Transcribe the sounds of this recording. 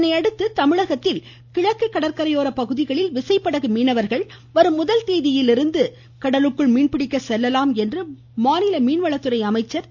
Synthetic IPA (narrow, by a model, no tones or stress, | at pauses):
nɐɪɐɽɯt̪ːɯt̪ɐmɪɻɐɣɐt̪ːɪl | kɪɻɐkːɐɪkːɐɽɐɾkɐɾɐjoːɾɐpɐɣɯðɪɣɐɭɪlʋɪsɐɪpːɐɽɐɣɯmiːnɐʋɐɾɣɐɭ | ʋɐɾɯmːʊðɐlt̪eːðɪjɪlɪɾɯnd̪ɯ | kɐɽɐlɯkːɯɭmiːɳpɪɽɪkːɐsɛlːɐlaːmɛndrɯ | maːnɪlɐmiːnʋɐɭɐt̪ːɯɾɐɪɐmɐɪt͡ʃːɐɾ